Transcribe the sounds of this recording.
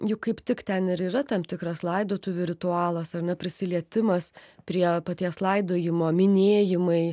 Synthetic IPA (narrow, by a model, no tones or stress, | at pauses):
jʊkkɐɪpt̪ʲɪkt̪ʲɛnɪɾiːɾɐt̪ɐmt̪ʲɪkɾɐslˠɐɪd̪oːt̪ʊʋʲʊɾʲɪt̪ʊɑːlˠɐsɐrnʲɛpʲɾʲɪsʲɪlʲiɛt̪ʲɪmɐspʲɾʲiɛpɐt̪ʲiɛslˠɐɪd̪oːjɪmoːmʲɪnʲeːjɪmɐɪ